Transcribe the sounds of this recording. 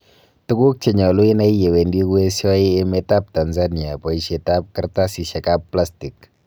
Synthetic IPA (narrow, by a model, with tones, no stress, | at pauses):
tu˦ku˦k̚t͡ʃe˨ɲɔ˨lu˦ɪ˦na˦i˦je˨we˨ndi˦we˦sɔ˦i˦e˦me˦ta˦p̚ta˨nzani˨a˨pɔ˨i˦ʃe˨ta˦p̚kɨ˦ɾta˦si˨ʃe˨kapːla˦sti˨k